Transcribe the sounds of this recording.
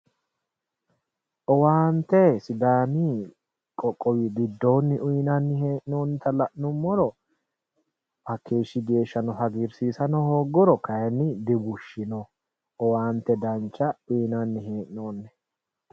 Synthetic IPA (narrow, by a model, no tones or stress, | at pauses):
ʔɔwaːnt̪ːɛsɪd̪aːmi | kʼɔkʼːɔwiɡɪd̪ːo̞ːnːɪʔʊjnɐnːɪheːʔɪnoːnt̪ɐlɐʔnʊmːɔɾɔ | ʔɐkʰːeːʃːɪɡe̞ːʃːɐnɔɦɐɡɪɾsiːsɐnɔhoːɡɔɾɔkɐjɛnːɪd̪ɪbʊʃːɪnɔ | ɔwaːnt̪ːɛd̪ɐnt͡ʃːɐʊjnɐnːɪɦeːʔɪnoːnːɛ